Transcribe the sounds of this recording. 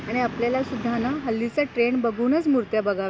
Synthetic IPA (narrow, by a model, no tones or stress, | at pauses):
aɽ̃iapljalasud̪ʱːanaɦəlːit͡saʈɾeɳbəɡʱuːnət͡smuɾt̪jabəɡʱaʋ